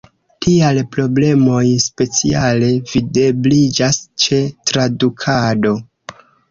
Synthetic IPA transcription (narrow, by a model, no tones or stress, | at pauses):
tialpɾo̞ble̞mo̞jspe̞t͡sḭale̞vide̞blid͡ʒast͡ʃe̞tɾadukʰado̞